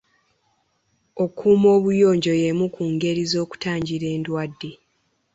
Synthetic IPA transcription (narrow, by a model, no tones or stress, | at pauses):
o̞kʰuːmo̞ːβujo̞ːɲɟo̞jemukʰuːŋɡe̞ɾizo̞ːku̥taːɲɟiɾe̞ːndwadːe̞